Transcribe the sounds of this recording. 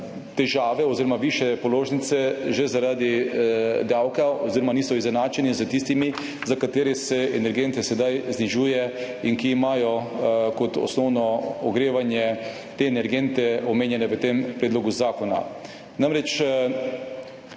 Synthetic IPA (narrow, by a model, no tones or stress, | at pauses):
t̪ɛʒaːʋɛɔziɾɔmaʋiːʃɛpɔloːʒnit̪sɛʒɛzaɾad̪i | d̪awkaoziɾɔmaniːsɔizɛnaːt͡ʃɛnizət̪ist̪imi | zakat̪eːɾɛsɛɛnɛɾɡent̪ɛsɛd̪ajzniʒuːjɛ | inkiːmaːjɔkɔt̪ɔ̰snɔwnɔɔɡɾeːʋanjɛ | t̪eːnɛɾɡent̪ɛɔmeːnjɛnɛʋət̪empɾɛd̪loɡuzaːkɔna̰ | namɾɛt͡ʃ